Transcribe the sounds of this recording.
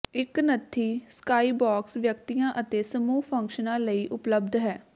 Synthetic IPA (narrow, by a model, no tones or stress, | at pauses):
ɪknət̪ʰːiːskaːiːbaːksʋjək̚t̪ijãːʔət̪eːsəmuːɦpʰə̃ŋkʃənãːləiːʔʊpləb̚d̪ɦɛː